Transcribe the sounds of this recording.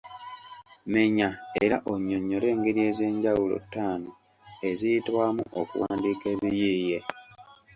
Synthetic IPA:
me̞ɲaeɾaʔoɲːo̞ɲːo̞le̞ːŋɡeɾie̞ze̞ːɲɟawulo̰tːaːno | e̞zijitwaːmuʔokṵwa̰ːndiːke̞βijiːje̞

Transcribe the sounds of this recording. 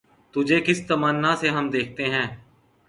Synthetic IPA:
t̪ʊd͡ʒʱekɪst̪əmənːaseɦɐmd̪eːk̚ʰt̪eɦɛ̃ː

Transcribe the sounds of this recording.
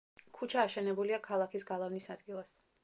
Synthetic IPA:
kʰut͡ʃʰaːʃɛnɛbuliakʰalˠakʰisɡalˠavnisad̪ɡilˠas

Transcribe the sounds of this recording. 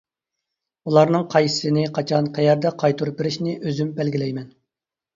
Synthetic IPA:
ulˠɑɾnɨŋqʰɑjsɨ̥sɨnɪqʰɑt͡ʃʰɑnqʰɛjɛɾd̪ɛqʰɑjt̪ʰuɾup̚ɪɾɪʃnɪʔøzymbɛlɡʲilɛjmɛn

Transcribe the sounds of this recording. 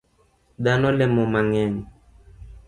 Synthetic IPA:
ɗanɔlɛmɔmaŋɛŋ

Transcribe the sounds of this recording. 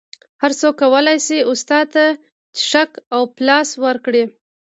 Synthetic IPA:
haɾsokːawəlajsiʊst̪ɑd̪̚t̪a | t͡ʃɪ̥ʃakawplɑswəɾkɽi

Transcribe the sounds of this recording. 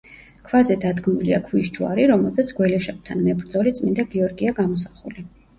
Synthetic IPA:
kʰvazɛd̪ad̪ɡmuliakʰviʃt͡ʃua̰ɾiɾɔmɛlˠzɛt̪sʰɡwɛlɛʃɛp̚t̪ʰanmɛbɾd̪zɔlit̪sʼmind̪aɡiɔɾɡiaɡamɔsaχuli

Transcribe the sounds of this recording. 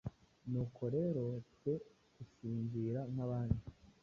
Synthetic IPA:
nuːkʰo̞ɾe̞ɾo̞tkwe̞ | kusiːɲziːɾan̥haβaːndi

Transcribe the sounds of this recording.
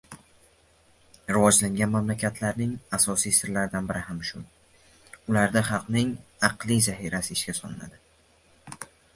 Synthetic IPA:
ɾɪvɒd͡ʒlaŋɡʲanmamlakʲʰat̪ʰlaɾnɪŋasɒsijsɪɾlaɾd̪anbɪɾɪhamʃʊ | ʊlaɾd̪aχɑlˠqnɪŋɑqlˠijzaɦiɾasɪɪʃkʲasɒ̰nɪna̰d̪ɪ

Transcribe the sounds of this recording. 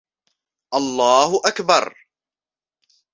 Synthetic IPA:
ʔɑlˤːɑːhʊʔakbɑɾˤ

